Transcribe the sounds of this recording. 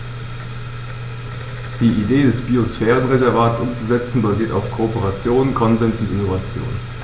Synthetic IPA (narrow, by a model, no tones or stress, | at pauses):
d̥iːʔideːdɛsb̥iosfɛːʁ̞ənʁezɛɐvaːtsʔʊmt͡suzɛt͡sn̩baziːɐta̰ʊfkʰoopəʁat͡sjoːnkʰɔnzɛnsʊntɪnovat͡sjo̰ːn